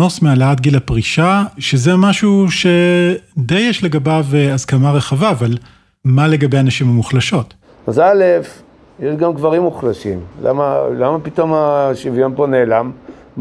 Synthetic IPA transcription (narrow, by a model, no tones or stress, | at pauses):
osmealaat̪ɡilapʁiʃaʃezemaʃuʃe̞d̪ejeʃle̞ɡabaveazkamaʁe̞χavaːval | male̞ɡabejanaʃimamuχlaʃo̞t | azalef | jeʃɡamɡvaʁimuχlaʃḭmla̰malamapito̞maʃivjomponeːlam